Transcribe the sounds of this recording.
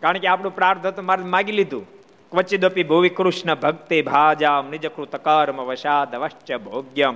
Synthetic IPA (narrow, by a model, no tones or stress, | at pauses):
kaːɾəɳkeaːpnũpɾaːɾt̪ʰɐt̪umaɾmaːɡilid̪ʱṵː | kʋɐt͡ʃid̪opibʱuʋikɾuʃnɐbʱɐɡ̚t̪ebʱaːd͡ʒaːmnid͡ʒɐkɾut̪ɐkɐːɾmɐʋɐʃaːd̪ʱɐʋɐʃt͡ʃjɐbʱoːɡjɐm